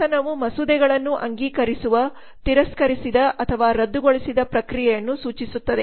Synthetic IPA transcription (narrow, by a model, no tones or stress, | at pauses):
ɐnɐʋumɐsud̪ɛɡɐɭɐnːuʔɐŋɡiːkɐɾisuʋɐ | t̪iɾɐskɐɾisid̪ɐʔɐt̪ʰɐʋaːɾɐd̪ːuɡoɭisid̪ɐpɾɐkɾijɛjɐnːusuːt͡ʃisut̪ːɐd̪e